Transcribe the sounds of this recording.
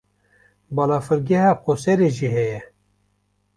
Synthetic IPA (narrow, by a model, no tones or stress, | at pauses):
bɑːlɑːfɨɾɡɛhɑːqosɛɾeʒiɦɛjɛ